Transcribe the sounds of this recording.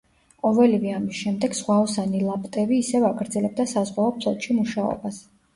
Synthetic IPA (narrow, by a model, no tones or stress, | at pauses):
qʼɔvɛlivɛamisʃɛmd̪ɛɡsʁwaɔsanilˠapʼt̪ʼɛbiːsɛvaɡɾd̪zɛlɛb̚d̪asazʁwaɔpʰlˠɔt̪ʼʃimuʃaɔ̰bas